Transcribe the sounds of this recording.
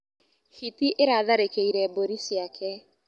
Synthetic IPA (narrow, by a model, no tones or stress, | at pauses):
hitiʔeɾaðaɾekeiɾɛboɾisiakʰɛ